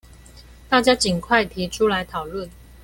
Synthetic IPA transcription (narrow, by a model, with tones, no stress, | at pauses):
t̪a˥˩t͡ɕja˥t͡ɕi˨˩nkʰwa˥˩ɪt̪ʰi˨˥ʈ͡ʂʰu˥la˧˦ɪt̪ʰɑ˨˩ʊlwə˥˨n